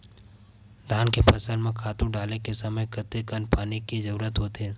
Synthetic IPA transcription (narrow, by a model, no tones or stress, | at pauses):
d̪ʱaːnkepʰɐsəlmẽkʰaːt̪ũɖaːlekesɐməjkət̪ekənpaːnikid͡ʒɐɾuːɾət̪ɦoːt̪eɦɛ